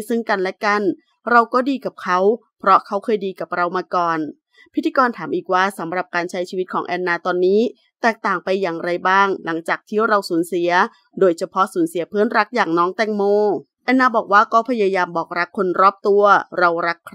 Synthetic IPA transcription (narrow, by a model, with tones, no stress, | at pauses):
sɯ˥˩ŋka˧nlɛ˦˥ka˧˩n | ɾa˧wkɔː˥˩diː˧ka˨˩p̚kʰa˦˥w | pʰɾɔ˦˥kʰa˦˥wkʰɤː˧jdiː˧ka˨˩p̚ɾa˧wmaː˧kɔː˨˩n | pʰi˦˥t̪ʰːiː˧kɔː˧nt̪ʰaː˩˦mʔiː˨˩k̚waː˧˥˩sa˩˦mɾa˨˩p̚kaː˧nt͡ɕʰa˦˥jt͡ɕʰiː˧wi˦t̪̚kʰɔː˩˦ʔɛː˧nːaː˧t̪ɔː˧nːiː˦˥ | t̪ɛː˨˩k̚t̪aː˨˩ŋpa˧jːaː˨˩ŋɾa˧jbaː˥˩ŋla˩˦ŋt͡ɕaː˨˩k̚t̪ʰi˦˥˩ɾa˧wsuː˩˦nsi˩˦ɐ | doː˧jt͡ɕʰa˧pʰɔ˦˥suː˩˦nsi˨˩˦ɐpʰɯ˦˥ənɾa˦˥k̚jaː˨˩ŋnɔː˦˥ŋt̪ɛ˥˩ŋmoː˧˥˩ | ʔɛː˧nːaː˧bɔː˨˩k̚waː˥˩kɔː˥˩pʰa˧jaː˧jaː˧mbɔː˨˩k̚ɾa˦˥kʰːo˧nɾɔː˥˩p̚t̪u˧ɐɾa˧wɾa˦˥kʰː